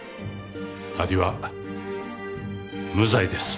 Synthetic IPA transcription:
aɾʲiβa | mɯ̟zaid̪e̞sɨ̥

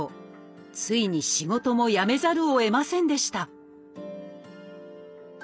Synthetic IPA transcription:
o | t͡sɨiɲ̟iɕiɡo̞t̪o̞mo̞jame̞zaɾɯ̟oe̞masẽ̞nd̪e̞ɕi̥t̪a

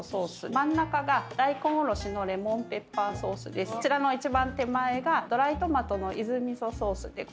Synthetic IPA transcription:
so̞ːsɨmãnːakaɡad̪̥aikõoɾo̞ɕino̞ɾe̞mõ̞mpe̞pːãso̞ːsɨd̪e̞st͡ɕiɾano̞it͡ɕibãnt̪e̞mae̞ɡad̪̥o̞ɾait̪o̞mat̪o̞no̞ʔizɨmʲiso̞so̞ːsɨd̪e̞

